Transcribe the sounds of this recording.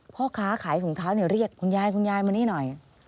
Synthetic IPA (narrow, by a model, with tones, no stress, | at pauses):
pʰɔː˥˩kʰaː˦˥kʰaː˩˦jsu˨˩˦ŋt̪ʰaː˦˥wniː˧˥˩ɾi˥˩əkʰːu˧njaː˧jkʰu˧njaː˧jma˧niː˦˥˩nɔ˨˩j